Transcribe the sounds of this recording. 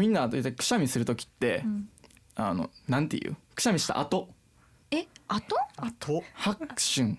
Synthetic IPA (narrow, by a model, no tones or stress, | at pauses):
mʲĩnːat̪it̪ːakɯ̟̥ɕamʲisɨɾɯ̟t̪o̞kʲi̥t̪ːe̞ | ano̞̰nãnt̪ḛjɯ̟̰ːkɯ̟̥ɕamʲiɕi̥t̪a̰ʔat̪o̞ | eat̪oat̪ʰohakɯ̥ɕɨ̃ŋ